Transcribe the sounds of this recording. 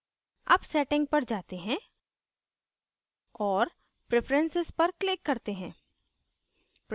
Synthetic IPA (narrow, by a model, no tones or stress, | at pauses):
ɐ̰bsɛːʈɪ̃ŋɡ̚pɐɾd͡ʒaːt̪eɦɛ̃ | ɔːɾ | pɾepɾə̃nsɪzpɐɾklɪkːɐɾt̪eɦɛ̃ː | p